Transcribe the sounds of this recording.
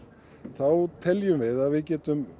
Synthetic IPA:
θawt̪ʰɛljʏmvɪðaðvɪðcɛːt̪ʏm

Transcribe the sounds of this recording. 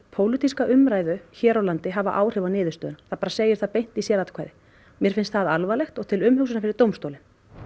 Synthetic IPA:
pʰowlɪt̪iskaʔʏmɾaːjðʏçɛːɾawlant̪ɪɦava̰ʔaːwr̥ɪvanɪːðʏst̪œːðʏnaθaðpaːɾaseːjɪɾ̥θaðpejn̥t̪isjɛːlat̪kʰaːjðɪ | mjɛɾ̥fɪnst̪θaðalvalɛxt̪ɔɣt̪ʰɪlʏmhʏksʏnafɪɾɪɾ̥t̪owmst̪oːwlɪn

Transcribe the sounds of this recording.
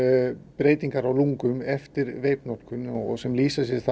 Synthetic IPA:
pɾeːjt̪iŋkaɾawluŋkʏmɛft̪ɪɾveːjpnɔt̪kʏnɔɣɔɣsɛmliːsasjɛ̥θa

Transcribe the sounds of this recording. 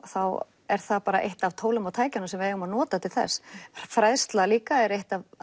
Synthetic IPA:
θaw | ɛɾ̥θapaːɾaʔḛjht̪avt̪ʰoːwlʏmawt̪ʰaːjcanʏmsɛmvɪɛɣʏmanɔːt̪at̪ʰɪlθɛ̰sːfɾaðst̪laliːkaɛɾejht̪av

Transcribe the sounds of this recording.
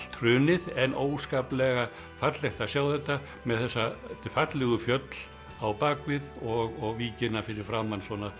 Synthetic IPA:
t̪ʰr̥ʏːnɪðɛnʔoːwskaːplɛɣa | fat̪lɛht̪asjaːwθɛht̪ːa | mɛðθɛsːat̪ɪfat̪lɛɣʏfjœt̪l̥ | awpaːkvɪðɔɣɔɣviːcɪnafɪɾɪɾ̥fɾamːansvɔna

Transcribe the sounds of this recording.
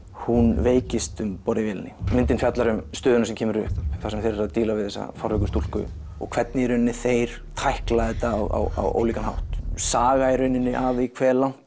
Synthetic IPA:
hunveːjcɪst̪ʏmpɔɾɪvjɛːlɪnːɪ̰mɪnt̪ɪnfjat̪laɾʏmst̪œːðʏnasɛmcʰɛːmʏɾʏhpθasɛmθejɾɛɾaðt̪iːlavɪðθɛsːa̰fɔɾvɛkʏst̪ulkʏ̰ | ɔ̰ɣkʰvɛt̪̚nɪɾʏnːɪθejɾ̥ | t̪ʰajhklaðɪt̪awa̰wa̰wo̰ːwliːkanha̰wht̪saːɣaːjɾʏɥnɪnːɪʔavikʰvɛːlawn̥t̪

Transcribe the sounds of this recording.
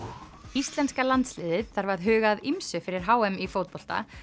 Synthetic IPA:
ist̪lɛnskalant̪slɪːðɪðθaɾvaɾðɦʏːɣaðimsʏfɪɾɪɾ̥ɦaːwɛmifoːwt̪̚pɔl̥t̪a̰

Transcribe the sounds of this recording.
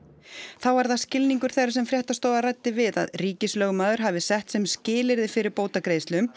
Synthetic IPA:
θawaɾðascɪlniŋkʏɾ̥θejɾasɛmfɾjɛht̪ast̪oːwðarajt̪ːɪvɪða̰ðriːcɪslœːɣʏmaːðʏɾ̥ɦavɪsɛht̪sɛmscɪːlɪɾðɪfɪɾɪɾpoːwt̪akɾeːjst̪lʏm

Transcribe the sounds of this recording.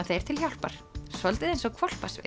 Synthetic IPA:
θejɛɾt̪ʰɪlçjawl̥paɾ̥sɔlt̪ɪðejnsɔɣkʰvɔl̥pasvɪ̰

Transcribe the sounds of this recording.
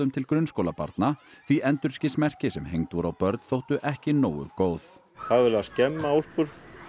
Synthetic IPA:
ʏmt̪ʰɪlkɾʏnskowlapa̰ɾt̪naθviʔɛnt̪ʏɾ̥scɪsmɛr̥cɪsɛmɦejŋt̪vɔɾawpœɾt̪n̥θowht̪ʏʔɛhcɪnoːwʏ̰koːwθ | θaðvɪɾlascɛmːaol̥pʏɾ

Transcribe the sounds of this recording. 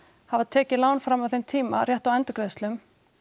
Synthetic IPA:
havaðt̪ʰɛːcɪlaːwnfɾamawθejmt̪ʰiːmarjɛht̪awɛnt̪ʏkɾɛðst̪lʏm

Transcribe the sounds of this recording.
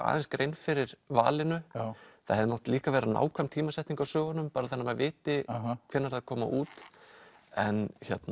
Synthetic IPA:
a̰ːðɛnskɾejnfɪɾɪɾva̰ːlɪnʏθa̰ðhɛðɪnɔwht̪liːkavɛːɾana̰ːwkʰvamt̪ʰiːmasɛjht̪iŋkawsœːɣanːʏmpaːɾaθɛnːamavɪːt̪ɪkʰvɛnːaɾaðkʰɔːma̰ʔuːt̪ | ɛnçɛt̪na

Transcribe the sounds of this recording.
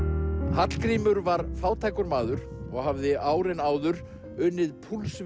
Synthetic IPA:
hat̪l̥kɾiːmʏɾvaɾfaːwt̪ʰajkʏɾmaːðʏɾ̥ɔɣhavðɪaːwɾɪnaːwðʏɾ | ʏnːɪðpʰuls

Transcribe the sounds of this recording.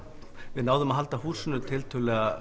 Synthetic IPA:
vɪðnaːwðʏmaðɦal̪t̪ahuːsʏnʏt̪ʰɪlt̪ʰʏːlɛɣa

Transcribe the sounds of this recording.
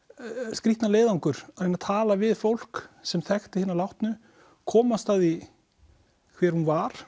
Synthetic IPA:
skɾiht̪naleːjðawŋkʏɾ̥aðhenat̪ʰaːlavɪðfowl̥ksɛmθɛxt̪ɪhɪːnːalawht̪nʏ | kʰɔːmast̪aði | kʰvɛɾ̥hunvaɾ̥

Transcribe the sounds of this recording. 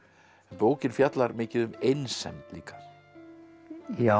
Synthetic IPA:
poːwcɪnfjat̪laɾmɪːcɪðʏmejnsɛ̰mt̪liːkḁ | ja

